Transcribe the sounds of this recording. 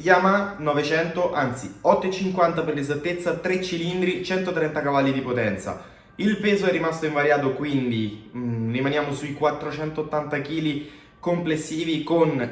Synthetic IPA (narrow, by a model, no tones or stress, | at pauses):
jaːmanɔvet͡ʃɛnt̪oʔant̪siɔt̪ːoet͡ʃːiŋkwant̪aperlezat̪ːet̪sːat̪ɾet͡ʃːilind̪ɾit͡ʃɛnt̪ot̪ɾɛnt̪akavalːid̪ipot̪ɛnt̪sa̰ | ilpeːzoɛrːimast̪oĩɱvaɾjaːt̪okwind̪irimanjaːmosuikwat̪ːɾot͡ʃɛnt̪oːt̪ːant̪ak̟iːli | komplesːiːvikon